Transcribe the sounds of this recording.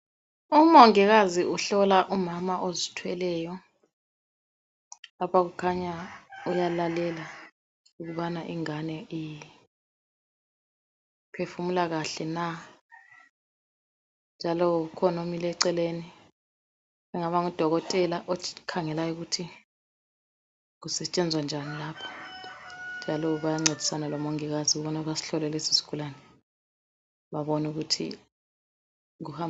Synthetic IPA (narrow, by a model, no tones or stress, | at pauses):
umɔŋɛɣaziʔuɬɔlaʔumamaʔozitʰwɛlɛjɔ | lapʰaɣukʰaɲaujalalɛla | uɣuβanaʔiŋanɛi | pʰefumulaɣaɬɛna | nd͡ʒʱalɔk̬ukʰɔnomilɛǀɛleːni | ɛŋaɓaŋud̥ʱɔɣɔtʼɛlaʔokʰaŋɛlajɔk̬utʰi | k̬usɛt͡ʃʼɛnd͡zʱwand͡ʒʱanilaːpʰɔ̥ | nd͡ʒʱalɔɓajaŋ͡ǀed̥ʱi̥sanalɔmoŋiɣ̬azik̬uɓɔnaβasi̥ɬɔlɛlɛsi̥si̥kʰulanɛ | ɓaɓɔnuk̬utʰḭ | uha